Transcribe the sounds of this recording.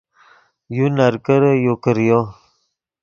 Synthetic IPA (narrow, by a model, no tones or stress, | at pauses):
junaɾkəɾəjokəɾjo